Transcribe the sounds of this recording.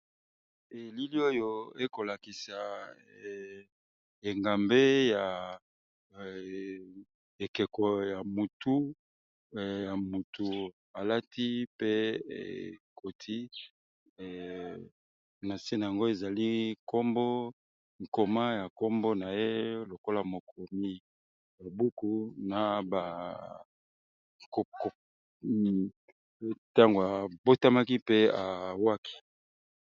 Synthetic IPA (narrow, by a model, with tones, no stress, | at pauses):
e˨li˦li˦o˦jo˦e˦ko˨la˨ki˨sa˨ | e˨ŋɡa˨mbe˦ja˨ | e˨kɛ˨kɔ˨ja˨mu˨tu˦˨ | ja˨mu˨tu˨ | a˨la˦ti˦pe˦ḛ˨kʰo˨tʰi˦˨ | na˨se˦na˨a˨ŋɡo˦e˨za˨li˦ko˦mbo˦ | ŋ̩˨ko˨ma˦ja˨ko˦mbo˦na˨je˦lo˨ko˦la˨mo˨kʰo˨mi˦ | ja˨bu˦ku˦na˨ba˨ | ko˨k | ta˦ŋɡo˨a˨bo˦ta˦ma˦ki˦pe˦a˨wa˦kʰi̥˦